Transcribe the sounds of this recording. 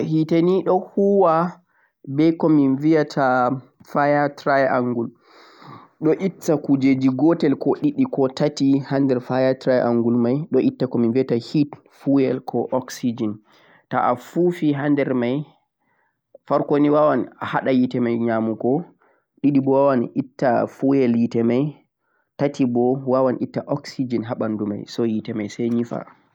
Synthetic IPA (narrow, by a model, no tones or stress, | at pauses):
hiteniɗɔhuwa | bɛjkɔminvijatʰafajatɾajʔaŋɡul | ɗɔʔitːakud͡ʒed͡ʒiɡɔtɛlkɔɗiɗikɔtatihandɛɾfajatɾajʔaŋɡulmajɗɔʔitːakɔminvijatahit | fuɛlkʰɔʔɔksid͡ʒin | taʔafufiɦandɛɾmaj | faɾkoniwawanahaɗajitɛmajɲamukɔ | ɗiɗibɔwawanʔitːafuɛljitɛmaj | tatʰibɔwawanʔitːaʔɔksid͡ʒinɦaɓanduma̰jsɔjitɛmajsɛjɲifa̰